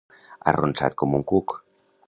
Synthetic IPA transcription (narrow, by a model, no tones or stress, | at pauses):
aronsa̰t̪̚komuŋkuk